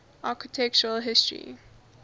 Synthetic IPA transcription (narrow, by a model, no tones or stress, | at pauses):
ʔaˑkɪtʰɛk̚t͡ʃəɹəlɦɪstɹḭ